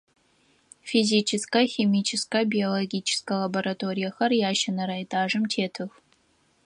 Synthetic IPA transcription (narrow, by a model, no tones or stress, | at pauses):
fiziːt͡ʃʰɪskɐxemiːt͡ʃʰɪskɐbioloɡʲiːt͡ʃʰɪ̥skɐlɐboɾatʰoɾijɐxɐrjaːʃɐnɐɾajtʼaːʐɨmtʰeːtʰɨx